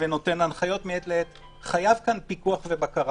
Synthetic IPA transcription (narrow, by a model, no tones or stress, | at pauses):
veno̞te̞nanχajo̞tmiet̪leet | χajavkanpikuaχvebakaʁ